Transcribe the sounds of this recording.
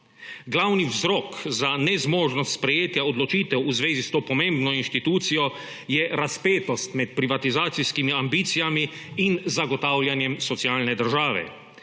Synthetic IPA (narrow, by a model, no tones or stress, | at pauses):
ɡlawniwzɾɔːkzanɛzmoːʒnɔst̪spɾɛjeːt̪jaɔd̪lɔt͡ʃiːt̪ɛwuzʋeːzist̪oːpɔmẽmbnɔinʃt̪it̪uːt̪sijɔ | jɛɾaspeːt̪ɔst̪mɛt̪pɾiʋat̪izaːt̪siskimiambiːt̪sijamiː | nzaɡɔt̪aːwljanjɛmsɔt̪siaːlnɛd̪əɾʒaːʋɛ̰